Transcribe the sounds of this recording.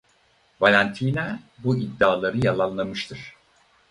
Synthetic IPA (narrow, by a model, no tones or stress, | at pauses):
valʲænt̪ʰiːnɛbuid̪ːaːlˠaɾɯjalˠanlˠamɯʃt̪ʰɯɾ̝̥